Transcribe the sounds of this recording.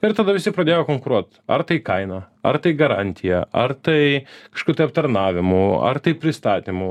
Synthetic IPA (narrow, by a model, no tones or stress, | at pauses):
ɪɾt̪ɐd̪ɐʋʲɪsʲɪpɾɐd̪ʲeːjoːkoŋkʊɾuɔt̪ | ɐ̰rt̪ɐɪkɐɪnɐ | ɐ̰rt̪ɐɪɡɐɾɑnʲt̪ʲʰɪjɛʔɐ̰rt̪ɐɪkɐʃkuːt̪ɐɪɐp̚t̪ɐɾnɑːʋʲɪmʊɐ̰rt̪ɐɪpʲɾʲɪst̪ɑːt̪ʲimʊ